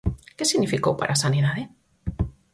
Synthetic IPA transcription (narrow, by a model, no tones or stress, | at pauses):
kesiɣnifikowpa̰ɾʔasanenaðe